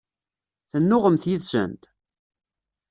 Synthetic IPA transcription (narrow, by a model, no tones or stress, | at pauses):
θənːʊʁəmθjiðsə̰nt̪